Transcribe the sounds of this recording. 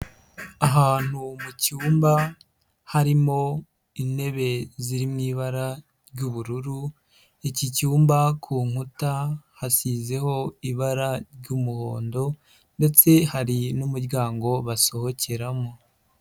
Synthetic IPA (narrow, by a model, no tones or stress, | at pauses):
aɦaːn̥umucuːmba | haɾimo̞ | ine̞βe̞ziɾimŋiːβaɾa | ɾɟuːβuɾuɾu | icicuːmbakʰuːŋ̥hutahasiːze̞ho̞iβaɾaɾjɟuːmuho̞ːndo̞ | nde̞t͡se̞haɾinumuɾɟaːŋɡo̞βaso̞ho̞cʰe̞ɾamo